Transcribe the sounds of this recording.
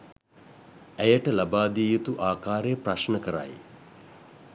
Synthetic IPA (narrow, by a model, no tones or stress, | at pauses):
æjəʈəlabaːd̪iːjut̪uʔaːkaːɾejəpraʃnəkəɾa̰j